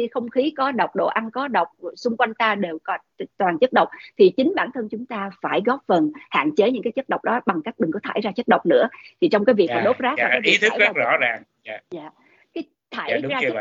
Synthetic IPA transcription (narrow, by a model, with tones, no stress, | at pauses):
i˧xə˧wŋ͡mxi˨˦kɔ˨˦ɗə˨˩wk͡p̚ɗo̰˧˨ʔa˧nkɔ˨˦ɗə˨˩wk͡p̚sʊ˧ŋ͡mkwa˧jŋ̟t̪aː˧ɗe˨˩wkɔ˨˦ | t̪waː˨˩nt͡ɕə˦˥t̚ɗə˨˩wk͡p̚t̪ʰi˨˩t͡ɕï˨˦ŋ̟ɓaː˧˩nt̪ʰə˧nt͡ɕʊ˨˦ŋ͡mt̪aː˧faː˧˩jɣɔ˦˥p̚fə˨˩nha̰ː˧˨nt͡ɕe˨˦ɲɨ̰˧˥ŋkaː˨˦jt͡ɕə˦˥t̚ɗə˨˩wk͡p̚ɗɔ˨˦ɓa˨˩ŋka˦˥k̚ɗɨ˨˩ŋkɔ˨˦t̪ʰaː˧˩jzaː˧t͡ɕə˦˥t̚ɗə˨˩wk͡p̚nɨ̰˧˥ət̪ʰi˨˩t͡ɕɔ˧wŋ͡mkaː˨˦jvi˨˩kkm̰˨˦ɗo˦˥p̚zaː˦˥kːi˨˦t̪ʰːa˦˧zɔ̰˧˥zaː˨˩ŋː˧ | zaː˧˨ | kaː˨˦j | t̪ʰaː˧˩jzaː˧˥